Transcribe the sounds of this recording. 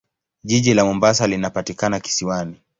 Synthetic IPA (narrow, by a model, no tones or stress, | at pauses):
ʄiʄilamɔmbasalinapatikanaki̥siwani